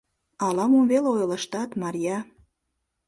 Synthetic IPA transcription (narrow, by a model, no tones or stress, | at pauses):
ɑlɑmomβeleojlə̆ʃt̪ɑt̪mɑɾʲjɑ